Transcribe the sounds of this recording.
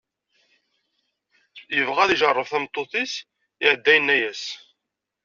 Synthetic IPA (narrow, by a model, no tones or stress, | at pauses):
jəvʁæðiʒərˤːəfθæmt̪ˤːoθis | ɪʕəd̪ːæjənːæjæs